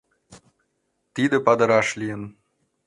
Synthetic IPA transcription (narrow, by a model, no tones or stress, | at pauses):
t̪id̪ə̆pɑd̪ɤ̆ɾɑʃlʲijən